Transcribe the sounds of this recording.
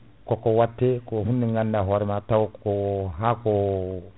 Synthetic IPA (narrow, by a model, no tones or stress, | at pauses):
kɔkowatːekoɦunːiŋɡanːaɦɔɾimatawokkoɦako